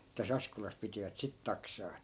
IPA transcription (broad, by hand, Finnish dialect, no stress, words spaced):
tæs ɑskolɑs pitiʋæt sit tɑksɑː etːæ